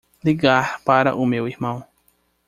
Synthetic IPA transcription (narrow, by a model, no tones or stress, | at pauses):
liɡaɾpaɾɐ̰ʔʊmewihmɐ̃w̃